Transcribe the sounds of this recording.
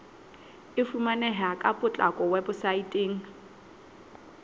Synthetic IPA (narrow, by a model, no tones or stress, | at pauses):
ɪfumanɛɦakʼapʼʊt͡ɬʼakʼɔwɛbʊsaitʼeːŋ̩